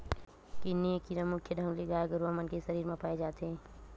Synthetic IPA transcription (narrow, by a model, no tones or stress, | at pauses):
kinikiɾamʊkʰjəd̪ʱəmleɡaːeɡəɾʋamənkesəɾiːɾmẽpaːed͡ʒaːt̪ɦẽː